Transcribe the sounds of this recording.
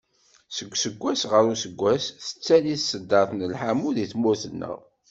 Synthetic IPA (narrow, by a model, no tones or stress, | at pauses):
səɡʷːsəɡʷːæsʁəɾusəɡʷːæsθə̥t͡sːæniθsəd̪ːɑɾθnəlħamuðiθmʊɾθənːə̰ʁ